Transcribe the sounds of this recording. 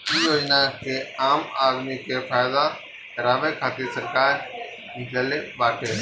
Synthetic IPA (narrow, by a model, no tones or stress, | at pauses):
ijoːd͡ʒnakeaːmaːd̪mikefʰaːɪd̪a | ɾaːʋekʰaːt̪isɐɾkaːɾ | ɪləlebaːʈeː